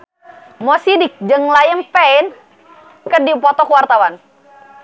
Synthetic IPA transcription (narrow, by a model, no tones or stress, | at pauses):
mɔsidɪk̚d͡ʒəŋlajəŋpɛin | kədipɔt̪ɔkəwart̪awan